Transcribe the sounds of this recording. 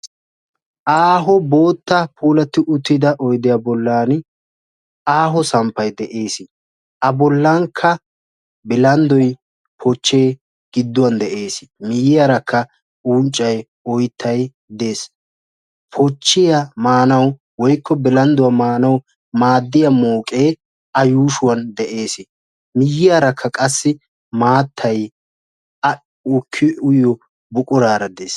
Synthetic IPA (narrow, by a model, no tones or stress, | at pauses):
ʔaːɦɔbo̞ːt̪ːɐpʰuːlɐt̪ːɪʔʊt̪ːɪd̪ɐʔɔjd̪ɪjabɔlːaːn | aːɦɔsɐmpːɐjd̪ɛʔe̞ːsɪ | ʔɐbɔlːɐŋkʰːɐ | bɪlɐnd̪ɔj | pʰɔt͡ʃːe̞ː | ɡ̥ɪd̪ːʊwɐnd̪ɛʔeːsɪmɪjɪjɐɾɐkʰːɐ | unt͡ʃʼːɐj | ɔjt̪ʰːɐj | d̪e̞ːs | pʰɔt͡ʃːɪjamaːnɐw | wɔjkːɔbɪlɐnd̪ʊwɐmaːnɐw | maːd̪ːɪjɐmoːkʼe̞ː | ɐjuːʃʊwɐnd̪ɛʔe̞ːsɪ | mɪjːɪjaːɾɐkʰːɐkʼɐsːɪ | maːt̪ʰːɐj | ɐ | ʊkʰːɪʊjɔ | bʊkʼʊɾaːɾɐd̪eːs